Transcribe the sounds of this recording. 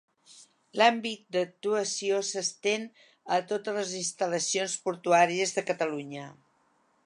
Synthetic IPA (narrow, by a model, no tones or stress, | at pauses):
lambit̪̚d̪ək̚t̪uəsiosəst̪en | ət̪ot̪ələzinst̪ələsionspuɾt̪uaɾiəzðəkət̪əluɲə